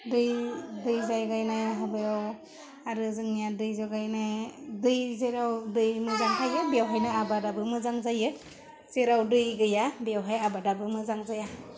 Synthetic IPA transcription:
dɯjdɯjzajɡajnajɦabɯjaw | aɾɯzɯŋnijadɯjzɔɡajnajdɯjzeɾawdɯjmɯzaŋɦajɯbjawɦajnɯabadabɯmɯzaŋzajɯ | z̥eɾawdɯjɡɯjabijawɦajabadabɯmɯzaŋzaja

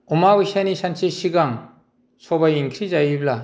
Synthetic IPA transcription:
umawisanisansʰesiɡaŋ | sɔbajiŋkʰɾizajibla

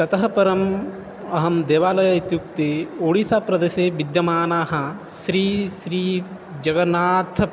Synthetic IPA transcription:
t̪ɐt̪ɐɦɐpɐɾɐm | ɐɦɐmd̪eːʋaːlɐjɐit̪juk̚t̪eːoːɽiːsaːpɾɐd̪ɐʃeːʋid̪jɐmaːnaːɦɐ̆ | ʃɾiːʃɾiː | d͡ʒɐɡɐnaːt̪ʰ

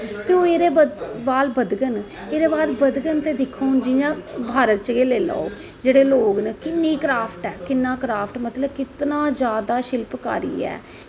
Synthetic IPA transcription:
t̪eoːeːɾeːbəbaːlbəd̪ɡən | eːɾeːbaːd̪bəd̪ɡənt̪eːd̪ɪkʰːoːnd͡ʒɪjãːbʱaːɾət̪̚t͡ʃɡeːleːla̰ːoː | d͡ʒeːɽeːloːɡnəkɪnːiːkɾaːpʰʈɛːkɪnːãːkɾaːpʰʈmət̪ləb̚kɪt̪nãːd͡ʒjaːd̪aːʃɪlpka̰ːɾḭːɛ̰ː

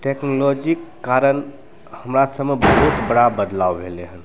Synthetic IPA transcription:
ʈeknolɔd͡ʒikːaɾən | həmɾasəbmebəɦut̪bəɽabəd̪laʋbʱeleɦən

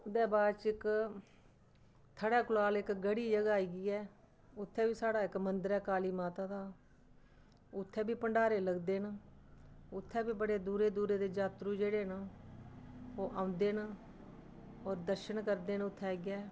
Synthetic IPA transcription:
ʊd̪ɛːbaːd̪t͡ʃɪk | t̪ʰəɽɛːkʊlaːlɪkɡəɽiːd͡ʒəɡaːiːɡiːɛː | ʊt̪ʰːɛːbiːsaːɽaːɪkmənd̪əɾɛːkaːliːmaːt̪aːd̪aː | ʊt̪ʰːɛ̃ːbʱiːpəɳɖaːɾeːləɡd̪eːn | ʊt̪ʰːɛːbiːbəɽeːd̪uːɾeːd̪uːɾeːd̪eːd͡ʒaːt̪ɾuːd͡ʒeːɽeːnː | oːʔãːʊ̃nd̪eːnː | ɔːɾd̪əɾʃənkəɾd̪eːnʊt̪ʰːɛːɡɪɛː

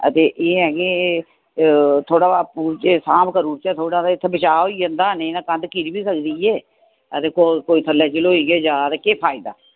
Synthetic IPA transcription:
ə̰t̪eːʔeːɦɛːɡe | t̪ʰoːɽaːaːpuːɾt͡ʃesaːmkəɾuːɾt͡ʃɛːt̪ʰoːɽãːd̪aːɪt̪ʰːebət͡ʃaːɦoːiːd͡ʒənd̪aːənenãːkənd̪kiɾiːbiːsəkd̪iːeː | ət̪eːkokoːiːt̪ʰəlːɛːt͡ʃəloːiːɡeːd͡ʒaːɾekeːpʰaːɪd̪a̰ː

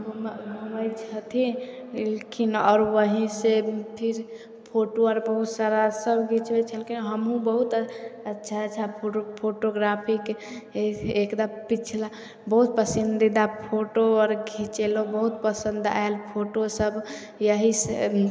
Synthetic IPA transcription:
ɡʱmɡʱuməjt͡ʃʰət̪ʰilekinɔːɾʋəɦĩsepʰiɾ | pʰoʈoəɾbəɦut̪saɾasəbʱɡʱit͡ʃʰbet͡ʃʰəlkinɦəmɦũbəɦut̪əətːʃʰat͡ʃʰapʰopʰoʈoɡɾapʰik | ekd̪apit͡ʃʰla | bəɦut̪̚pəsind̪id̪apʰoʈoɔɾɡʱĩt͡ʃelobəɦut̪̚pəsə̃nd̪a̰elpʰoʈosəb | jəɦisḛ

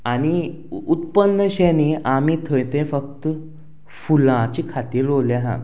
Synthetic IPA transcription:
añi | ut̪̚pənːəɕɛneʔamit̪ʰəjt̪ẽfək̚t̪ | fulãt͡ɕiːkʰat̪iːɾloljaɦã̰

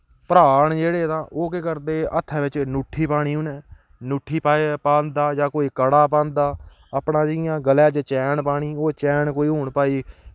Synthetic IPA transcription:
pəɾaːɳd͡ʒeːɽeːt̪ãːʔoːkekəɾd̪eːət̪ʰːɛ̃ːʋɪt͡ʃnuːʈʰːiːpaːɽ̃iːɦʊnɛː | nʊːʈʰːiːpapãːnd̪aːd͡ʒãːkoːiːkəɽaːpãːnd̪aː | əpɳãːd͡ʒɪɪjãːɡəlɛːd͡ʒt͡ʃɛːɳpaːɽ̃iːoːt͡ʃɛːɳkoːiːɦoːɳpaːiː

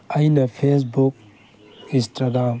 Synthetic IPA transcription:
ɐjnɐpʰes̬buk̚ | ĩsʈaɡam

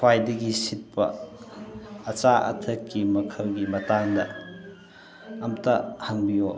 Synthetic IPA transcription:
wajdɐɡisit̚pɐ̰ | ɐt͡ʃaʔɐ̰tʰɐkːimɐkʰɐwɡimɐtaŋdɐ | ɐmtɐhɐŋbijo

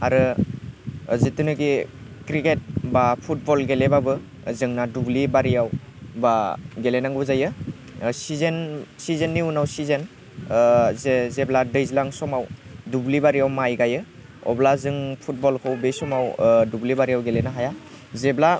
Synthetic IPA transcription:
a̰ɾɯ | zitɯnɯɡikɾiket̚bapʰut̚bɔlɡelebabɯ | zɯŋnadublibaɾijaw | baɡelenaŋɡɔzajɯ | sizensizenːiunawsizen | zezebladɯjzilaŋsɔmawdublibaɾijawmajɡajɯ | ɔ̰blazɯŋpʰut̚bɔlkʰɯwbesɔmawdublibaɾijawɡelenaɦaja | zebla

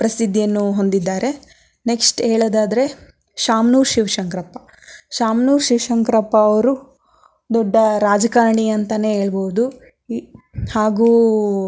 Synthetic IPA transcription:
pɾɐsid̪ːijɐnːuɦo̞nd̪id̪ːaːɾe̞ | neksʈeːɭod̪aːd̪ɐɾe̞ | ʃaːmnuːɾʃiʋʃɐŋkɾɐpːɐ | ʃaːmnuːɾʃiʋʃɐŋkɾɐpːɐːʋɐɾu | d̪ɔɖːɐɾaːd͡ʒɐkaːɾɳiɐnt̪ɐne̞ɦeːɭboɦud̪u | haːɡuː

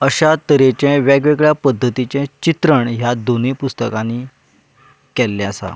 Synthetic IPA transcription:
əɕat̪əɾet͡ɕɛ̃ʋɛɡʋeɡɭjapəd̪ʱːət̪it͡ɕɛ̃t͡ɕit̪ɾəɳɦjad̪onepust̪əkãni | kɛlːɛ̃asa̰

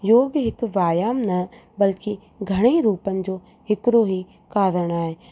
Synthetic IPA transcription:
joːɡɦɪkʋaːjaːmnɐbəlki | ɡʱɐɽ̃eːɾuːpənɪ̆d͡ʒoː | hɪkɾoːɦiː | kaːɾəɽ̃aːeː

